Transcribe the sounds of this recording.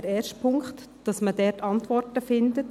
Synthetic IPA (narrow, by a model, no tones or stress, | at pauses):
ɾɛːʃtpʰʊŋkχt | d̥ɑsmədɛɾtɑntʋɔrtəfɪndət